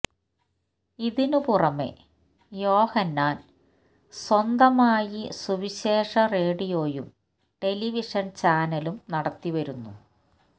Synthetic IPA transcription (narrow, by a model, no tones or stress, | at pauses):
iðinupurɐmḛ | jo̞ːhɐnːaːn | swɐnd̪ɐmaːjisuʋiɕeːʂɐre̞ːɽijo̞ːjṵm | ʈe̞liʋiʂɐnt͡ɕaːnɐlumnɐɽɐt̪ːiʋɐɾunːṵ